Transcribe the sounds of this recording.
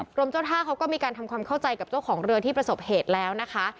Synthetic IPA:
ɾu˧əmt͡ɕa˥˩wt̪ʰaː˥˩kʰa˦˥wkɔː˥˩miː˧kaː˧nt̪ʰa˧mkʰwaː˧mkʰa˥˩wt͡ɕa˧jka˨˩p̚t͡ɕa˥˩wkʰɔː˩˦ŋɾɯ˧ɐt̪ʰiː˥˩pɾa˧so˨˩p̚heː˨˩t̪̚lɛː˦˥wna˦˥kʰa˦˥ʔ

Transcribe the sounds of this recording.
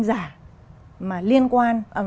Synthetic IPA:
ŋzaː˧˩ | maː˨˩li˧ənkwaː˧nʔəː˨˩

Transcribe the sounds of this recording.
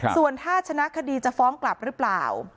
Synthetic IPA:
su˨˩ənt̪ʰaː˥˩t͡ɕʰa˧na˦˥ʔkʰa˧diː˧t͡ɕa˨˩fɔː˦˥ŋkla˨˩p̚ɾɯ˦˥pla̰ː˨˩w

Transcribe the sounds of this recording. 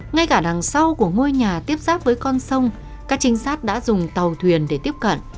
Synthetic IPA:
ŋa˧jkaː˧˩ɗaː˨˩ŋsa˧wku˧˩əŋo˧jɲaː˨˩t̪i˦˥əp̚zaː˦˥t̚vəː˨˦jkɔ˧nsə˧wŋ͡m | kaː˦˥k̚t͡ɕï˨˦ŋ̟saː˦˥t̚ɗa̰ː˧˥zʊ˨˩ŋ͡mt̪a˨˩wt̪ʰwi˨˩ənɗe˧˩t̪i˦˥əp̚kə̰˧˨nʔ

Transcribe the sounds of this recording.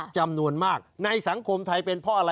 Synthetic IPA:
t͡ɕa˧mnu˧ənmaː˥˩k̚na˧jsa˩˦ŋkʰo˧mt̪ʰa˧jpe˧npʰɔ˦˥ʔa˧ɾa˧

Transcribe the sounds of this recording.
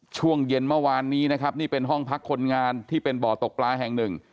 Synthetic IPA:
t͡ɕʰu˥˩əŋje˧nmɯ˥˩waː˧nːiː˦˥na˦˥kʰa˦˥p̚niː˥˩pe˧nɦɔ˥˩ŋpʰa˦˥kʰːo˧nŋaː˧nt̪ʰiː˥˩pe˧nbɔː˨˩t̪o˨˩k̚plaː˧ɦɛ˨˩ŋnɯ˨˩ŋ

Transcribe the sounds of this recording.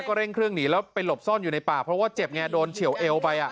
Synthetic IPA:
kɔː˥˩ɾe˥˩ŋkʰɾɯ˥˩əŋniː˦lɛː˦˥wpa˧jlo˨˩p̚sɔː˥˩njuː˨˩na˧jpaː˨˩pʰɾɔ˦˥waː˥˩t͡ɕe˨˩p̚ŋɛː˧doː˧nt͡ɕʰi˨˩˦wʔe˧wpa˧jʔa˨˩

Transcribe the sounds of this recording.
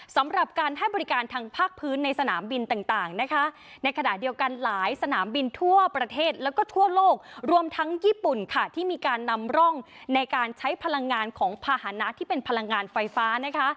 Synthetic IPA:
sa˩˦mɾa˨˩p̚kaː˧nɦa˥˩jbɔː˧ɾi˦˥kaː˧nt̪ʰaː˧ŋpʰaː˥˩k̚pʰɯː˦˥nːa˧jsa˧naː˩˦mbi˧nt̪aː˨˩ŋt̪aː˨˩ŋna˦˥kʰa˦˥ | na˧jkʰa˧na˨˩di˧əwka˧nlaː˩˦jsa˧naː˩˦mbi˧nt̪ʰu˥˩əpɾa˧t̪ʰeː˥˩t̪̚lɛː˦˥wkɔː˥˩t̪ʰu˥˩ɐloː˥˩k̚ɾu˧əmt̪ʰa˦˥ŋjiː˥˩pu˨˩nkʰa˥˩t̪ʰiː˥˩miː˧kaː˧nːa˧mɾɔ˥˩ŋna˧jkaː˧nt͡ɕʰa˦˥jpʰa˧la˧ŋːaː˧nkʰɔː˩˦ŋpʰaː˧ha˩˦na˦˥ʔt̪ʰiː˥˩pe˧npʰa˧la˧ŋːaː˧nfa˧jfaː˦˥na˦˥kʰa˦˥ʔ

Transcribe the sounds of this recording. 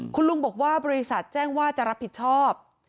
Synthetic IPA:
kʰu˧nlu˧ŋbɔː˨˩k̚waː˥˩bɔː˧ɾi˦˥sa˨˩t̪̚t͡ɕɛː˥˩ŋwaː˥˩t͡ɕa˨˩ɾa˦˥pʰːi˨˩t̪̚t͡ɕʰɔː˥˩p̚

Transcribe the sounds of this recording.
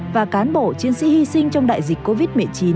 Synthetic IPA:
vaː˨˩kaː˨˦nɓo˧˩t͡ɕi˨˧ənsḭ˧˥hi˧sï˧ŋ̟t͡ɕɔ˧wŋ͡mɗa̰ː˧˨jzï˨˩k̟̚ko˧vi˦˥t̚mɨ˨˩əjt͡ɕi˨˦n

